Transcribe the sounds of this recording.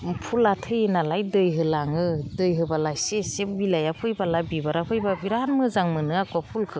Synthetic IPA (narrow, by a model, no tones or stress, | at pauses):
pʰulatʰɯjenalajdɯjɦɯlaŋɯdɯjɦɯbalajsesep̚bilajapʰɯjbalabibaɾapʰɯjbabiɾanmɯzaŋmɯnɯakʰuapʰulkʰɯ